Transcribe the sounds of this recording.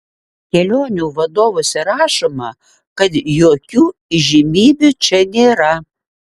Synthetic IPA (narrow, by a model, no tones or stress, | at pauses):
kʲelʲonʲuvɐd̪ovosʲɛɾɑʃɐmɐ | kɐd̪jokʲuiʒʲimʲibʲut͡ʃɛnʲeɾa